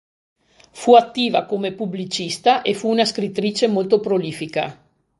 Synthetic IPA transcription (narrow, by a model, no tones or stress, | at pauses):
fuat̪ːiːva̰komepublit͡ʃist̪aʔefuːnaskɾit̪ːɾiːt͡ʃemolt̪opɾoliːfika̰